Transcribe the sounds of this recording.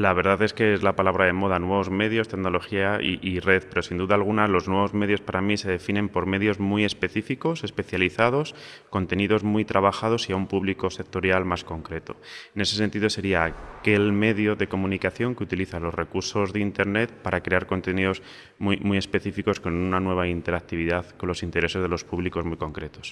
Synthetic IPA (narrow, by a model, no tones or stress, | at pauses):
laβe̞ɾðaðe̞ske̞ezlapalaβ̞ɾaðe̞mo̞ð̞anwe̞β̞o̞zme̞ðjo̞st̪eɣno̞lo̞xiaḭʔire̞θpe̞ɾo̞sind̪uðaːlɣ̞unalo̞znwe̞β̞o̞zme̞ðjo̞spaɾamise̞ðe̞finẽ̞mpo̞ɾme̞ðjo̞zmwie̞spe̞θifiko̞se̞spe̞θjaliθað̞o̞sko̞nt̪e̞niðo̞zmwit̪ɾaβaxað̞o̞siaumpuβliko̞se̞k̚t̪o̞ɾjalmasko̞ŋkɾe̞t̪o̞̥ene̞se̞s̬e̞nt̪iðo̞se̞ɾiaːke̞lme̞ðjo̞ðe̞ko̞mũnikaθjo̞ŋkeut̪iliθalo̞zrekuɾso̞zðeint̪e̞ɾne̞t̪̚paɾakɾe̞aɾko̞nt̪e̞niðo̞z | mumwie̞spe̞θifiko̞sko̞nunanwe̞β̞aint̪e̞ɾak̚t̪iβ̞iðaðko̞nlo̞sint̪e̞ɾe̞se̞zðe̞lo̞spuβliko̞zmijko̞ŋkɾe̞t̪o̞̥s